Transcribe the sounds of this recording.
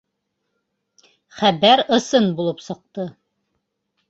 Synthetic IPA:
χæbæɾɤ̆sɤnbulˠɤpsɤ̆q̚t̪ɤ

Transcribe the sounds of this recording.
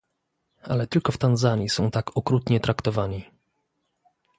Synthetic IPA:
a̰lɛt̪ɘlkɔft̪anzaɲisɔ̃w̃t̪akʰɔkɾut̪ɲɛt̪ɾakt̪ɔvaɲi

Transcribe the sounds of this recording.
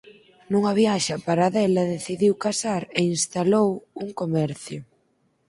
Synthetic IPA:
nuŋɐβ̞jaʃɐpaɾaðɛlɐðeθiðiwkasaɾeinst̪alowuŋkomɛɾθjʊ

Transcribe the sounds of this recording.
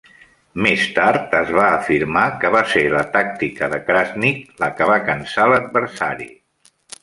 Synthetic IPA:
mest̪aɾt̪əzβaəfiɾmakəβaselət̪ak̚t̪ikəðəkɾaznikləkəβ̞akənsaləd̪̚βəɾsa̰ɾḭ

